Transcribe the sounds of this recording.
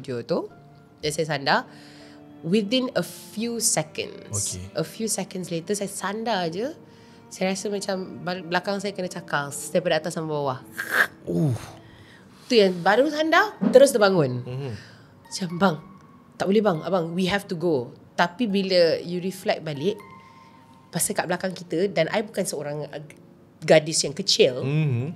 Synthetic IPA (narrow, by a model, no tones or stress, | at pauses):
diot̪u | jansajasanda | wid̪inəfjusɛkə̰̃nsʔəfjusɛkənslet̪əsajəsandad͡ʒə | sajɾasəmat͡ʃambabəlakaŋsajakənat͡ʃakadajpədat̪asamabawah | u | t̪ujaŋbaɾusandat̪əɾʊs̬dəbaŋʊ̃n | mat͡ʃambaŋ | t̪aʔbolɛhbaŋa̰ʔbaŋwiɦɛft̪uɡot̪apibiləjuɾiflɛk̚balɪʔ | pasakaʔbəlakaŋkit̪ədanʔa̰jbukansəoɾaŋ | ɡadisjaŋkət͡ʃɪl